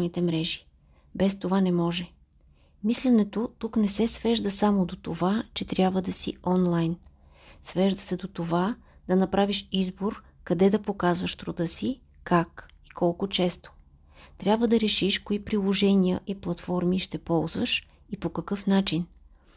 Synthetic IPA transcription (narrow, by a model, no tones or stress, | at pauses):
nit̪ɛmɾɛʒi̥ | bɛst̪ovanɛmɔʒɛ | mislɛnɛt̪ot̪uknɛsɛsvɛʒd̪əsamod̪ot̪ovat͡ʃɛt̪ɾʲjabvəd̪ɐsḭɔnlˠajn | svɛʒd̪əsɛd̪ot̪ova | d̪ɐnɐpɾaviʃizboɾ | kɐd̪ɛd̪ɐpokazvəʃt̪ɾud̪ɤsi | kak | ikɔlˠkʊt͡ʃɛst̪o̥ | t̪ɾʲjabvəd̪ɐɾɛʃiʃkoipɾilˠoʒɛnijəʔiplˠɐt̪fɔɾmiʃt̪ɛpɔlˠzvəʃ | ipokɐkɤfn̪at͡ʃin